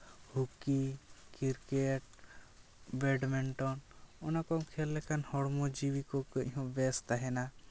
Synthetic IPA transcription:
hukikiɾkɛʈ̚ | bɛɖmɛɳʈɔnɔnakɔmkʰɛlːɛkanhɔɽmɔd͡ʒiwikɔkə̃ɦɔ̃bɛst̪aɦɛna

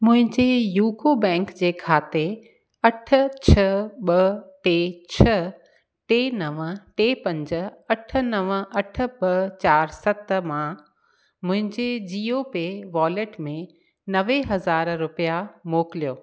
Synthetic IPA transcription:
mʊ̃ɦɪ̃ɲd͡ʑejuːkobɛ̃ːŋkd͡ʑeːkʰaːt̪e | ɐʈʰə̆t͡ɕʰɐɓɐʈet͡ɕʰɐ | ʈeːnɐʋʈeːpɐ̃ɲd͡ʑə̆ɐʈʰə̆nɐʋɐʈʰə̆ɓɐt͡ɕaːɾsɐt̪mã | mʊ̃ɦɪ̃ɲd͡ʑed͡ʑiːopeʋaːleʈmẽ | nɐʋeɦɐzaːɾɾʊpijamoːkɪlijoː

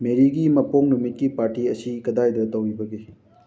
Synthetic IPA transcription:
meɾiɡimɐpoŋnumit̚kipaɾtiɐsikɐdajdɐtɐwibɐɡe

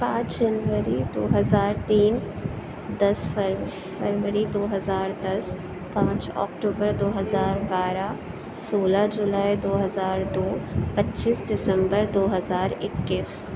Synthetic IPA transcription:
pãːt͡ʃd͡ʒɐnʋəɾid̪oːɦɐzaːɾt̪iːn | d̪ɐsfɐɾ | fɐɾʋəɾid̪oːɦɐzaːɾd̪ɐs | pãːt͡ʃɔ̰ːkʈoːbəɾd̪oːɦɐzaːɾbaːɾa | soːlad͡ʒʊlaːid̪oːɦɐzaːɾd̪oːpɐtːt͡ʃiːsɖɪsə̃mbəɾd̪oːɦɐzaːɾɪkːɪs

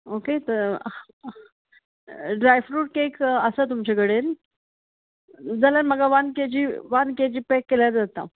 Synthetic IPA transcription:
oket̪əɾ | ɖɾajfɾuːʈ̚kekəsət̪̬umt͡ɕakəɽen | d͡zalanməɡaʋanked͡ʑiːʋanked͡ʑiːpekːeljaɾd͡zat̪a̰

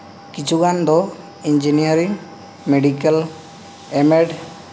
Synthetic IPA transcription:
kit͡ʃʰuɡand̪ɔ | iɲd͡ʒinijaɾiŋ | meɖikal | ɛmɛɖ

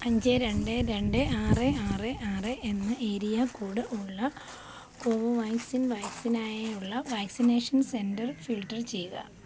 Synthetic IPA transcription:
ɐɲd͡ʑeɾe̞ɳɖeɾe̞ɳɖɨaːreaːreʔaːreʔenːɨʔeːɾijɐkːuːɽɨʔuɭːɐ | koːʋoʋajksinʋaːksinaːjeuɭːɐʋaːksineːʂɐnse̞ndɐrfilʈːɐrt͡ɕe̞juɣɐ̰

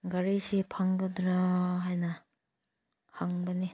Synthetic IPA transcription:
ɡaɾisipʰaŋɡɐdɾaɦajnɐ | haŋbɐni

